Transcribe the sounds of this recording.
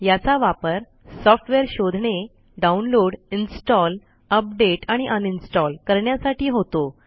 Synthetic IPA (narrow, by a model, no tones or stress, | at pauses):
jat͡saʋapəɾ | sɔfʈʋeɾɕod̪ʱɳe | ɖaunloɽinsʈɔl | əp̚ɖeʈaɽ̃iʔəninsʈɔlkəɾɳjasaʈʰiːɦot̪o